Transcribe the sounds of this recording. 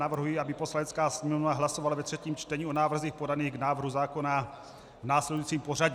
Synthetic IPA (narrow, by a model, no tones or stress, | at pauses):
avr̩ɦujiabɪposlanɛtt͡skaːsɛuaɦlasovalavɛt̪r̥ɛciːmt͡ʃt̪ɛɲio̞naːvr̩ziːxpo̞daniːɣɡnaːvr̩ɦuzaːko̞na | naːslɛdujit͡siːmporaɟ